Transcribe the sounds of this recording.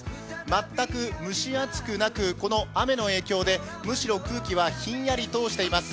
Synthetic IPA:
mat̪ːakɯ̟mɯ̟ɕiat͡sɨ̥kɯ̟nakɯ̟ko̞no̞ame̞no̞e̞ːkʲo̞ːd̪e̞ | mɯ̟ɕiɾo̞kɯ̟ːkʲiβaçĩɰ̃jaɾʲit̪o̞ːɕi̥t̪e̞imasɨ̥

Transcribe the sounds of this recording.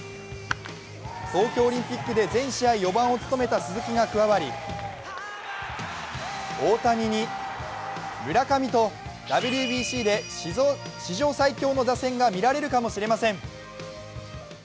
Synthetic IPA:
so̞ːkʲo̞ːɾʲĩmpʲikːɯ̟d̪e̞zẽ̞ɰ̃ɕiaijo̞bãɰ̃o̞t͡sɨ̥t̪o̞me̞t̪asɨzɨkʲiɡakɯ̟βaβaɾʲḭ | o̞ːt̪aɲ̟iɲ̟i | mɯ̟ɾakamʲit̪o̞d̪̥abʲiɾʲiːbʲiɕiːd̪e̞ | ɕiʑo̞ːsaikʲo̞ːno̞d̪asẽ̞ŋɡamʲiɾaɾe̞ɾɯ̟kamo̞ɕiɾe̞masẽ̞ɴ

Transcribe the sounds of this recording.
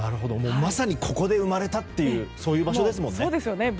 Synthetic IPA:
naɾɯ̟ɦo̞d̪omoːmasaɲ̟ikʰo̞ko̞d̪e̞ɯ̟maɾe̞t̪at̪ːe̞jɯ̟ːso̞ːjɯ̟ːbaɕo̞d̪e̞s̬ɨmõ̞nːeoːd̪esɨjone

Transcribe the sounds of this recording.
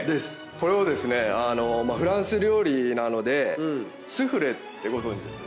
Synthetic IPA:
d̪e̞sɨ̥ | ko̞ɾe̞od̪e̞sɨne̞ano̞maɸɯ̟ɾãɰ̃sɨɾʲo̞ːɾʲinano̞d̪e̞ | sɨɸɯ̟ɾet̪ːe̞ɡo̞zõ̞ɲ̟d͡ʑid̪esɨ̥

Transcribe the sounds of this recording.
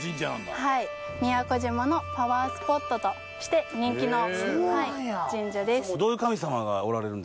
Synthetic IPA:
id͡ʒ̪hai | mʲiako̞ʑimono̞paβaːsɨ̥po̞t̪ːo̞t̪o | ɕi̥t̪e̞ɲ̟ĩŋkʲinohaid͡ʑĩɲ̟d͡ʑad̪e̞sod̪oːjɯ̟kamʲisamaɡaoɾaɾe̞ɾɯ̟̃nd̪

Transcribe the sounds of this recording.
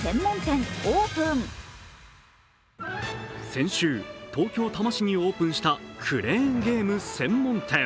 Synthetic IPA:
sẽ̞mːõ̞nt̪ẽŋoːpɯ̃ŋ | sẽ̞ɰ̃ɕɨːt̪ʰo̞ːkʲo̞ːt̪amaɕiɲ̟io̞ːpɯ̟̃ɰ̃ɕi̥t̪akʰɯ̟ɾẽ̞ːŋɡe̞ːmɯ̟sẽ̞mːõ̞nt̪ʰẽ̞

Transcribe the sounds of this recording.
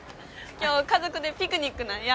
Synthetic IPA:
kʲjoːkazokɯ̟d̪e̞pʲikɯɲikːɯnaja

